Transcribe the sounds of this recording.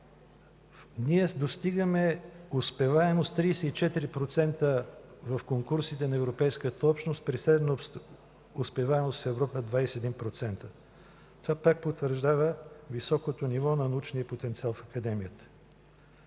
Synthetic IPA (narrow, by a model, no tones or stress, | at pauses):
niɛd̪ost̪iɡəmɛospɛvaɛmost̪ːɾisɛit͡ʃɛt̪iɾipɾot̪sɛnt̪əvɐfkoŋkuɾsit̪ɛnɐɛvɾopɛjskət̪əɔpʃnost̪̚pɾisɾɛd̪ɛnos | ʊspɛvaɛmost̪fɛvɾɔpəd̪vajsɛd̪impɾot̪sɛnt̪ə | t̪ovapak̚pot̪vəɾʒd̪avəvisɔkot̪onivɔnɐnɐut͡ʃnijəpot̪ɛnt̪sialˠfɐkɐd̪ɛmijət̪ə̥